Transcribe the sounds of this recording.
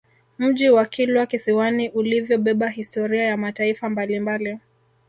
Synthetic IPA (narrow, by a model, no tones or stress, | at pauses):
m̩ʄiwakilwakisiwaniʔulivjɔɓɛɓaɦistɔɾiajamataifambalimbali